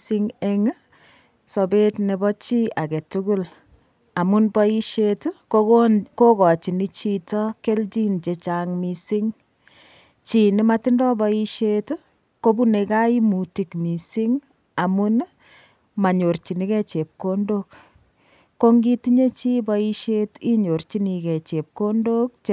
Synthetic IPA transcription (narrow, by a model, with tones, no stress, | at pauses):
i˦ŋe˦ŋ˦ | so˨be˦tne˨bɔ˦t͡ʃi˦a˨ke˨tuku˦l | a˨mu˦nbɔ˦i˦ʃetu˦koko˦kɔ˨t͡ʃi˨ni˦t͡ʃitɔ˦ke˦lt͡ʃi˦nt͡ʃe˨t͡ʃaŋmisi˦ŋ | t͡ʃi˨ni˦ma˦ti˦ndɔ˦bɔ˦i˦ʃetu˦ | ko˦bu˦ne˨ka˦i˦mu˨ti˨kmi˨si˦ŋ | a˨mu˦n | ma˨ɲo˨rt͡ʃi˨ni˦kɛ˦t͡ʃe˨p̚kondok | kːo˦ŋɡi˦tiɲe˦t͡ʃi˦bɔi˦ʃe˦ti˦ɲo˨ɾt͡ʃi˦ni˨ke˨t͡ʃe˨p̚ko˦ndo˦k̚t͡ʃ